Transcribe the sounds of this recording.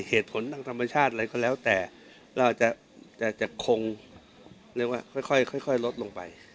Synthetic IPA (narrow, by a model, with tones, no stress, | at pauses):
heː˨˩t̪̚pʰo˩˦nt̪a˧ŋt̪ʰa˧mːa˧t͡ɕʰaː˥˩t̪̚ɾa˧jkɔː˧˩lɛː˦˥wt̪ɛː˨˩ | ɾa˧wʔa˨˩t͡ɕa˨˩ʔ | t͡ɕa˨˩t͡ɕa˨˩kʰo˧ŋ | ɾɯ˥˩ək̚waː˥˩kʰɔ˥˩jkʰɔ˥˩jkʰɔ˥˩jkʰɔ˥˩jlo˦˥t̪̚lo˧ŋpa̰˧j